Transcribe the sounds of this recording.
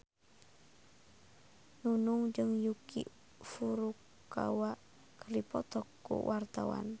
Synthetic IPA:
nunʊŋd͡ʒɨŋjukḭ | fuɾukː | a̰waʔ | kəripɔt̪ɔkːṵwʔart̪awa̰n

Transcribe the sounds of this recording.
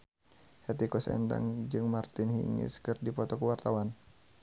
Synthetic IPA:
hɛt̪ikɔsɛ̰nda̰ŋd͡ʒɨŋmart̪ɪnhḭŋḭskɨrdipɔt̪ɔkəwart̪awan

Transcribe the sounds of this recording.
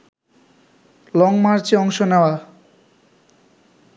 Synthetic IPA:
lɔŋmaɾt͡ɕeɔŋʃoneoa

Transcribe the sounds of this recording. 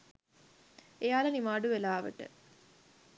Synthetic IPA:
ejaːlɐnimaːɖuʋelaːʋə̰ʈɨ̰

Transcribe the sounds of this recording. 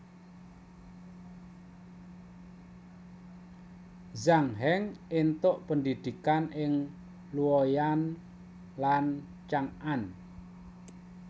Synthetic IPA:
zaŋɦɛŋent̪ʊʔpənd̪id̪̥i̤kanɪŋ | luɔjan | lan | t͡ʃaŋan

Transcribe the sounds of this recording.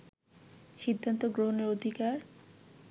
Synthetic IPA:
ʃid̪ʱːant̪oɡɾoɦoneɾod̪ʱikaɾ

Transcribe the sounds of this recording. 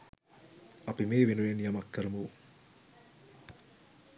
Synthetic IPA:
ɐpimeːʋenuʋenjamɐkːəɾɐmu

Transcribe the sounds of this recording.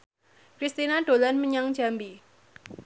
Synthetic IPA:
kɾist̪inaɖ̥olanməɲaŋ̥d͡ʒambi

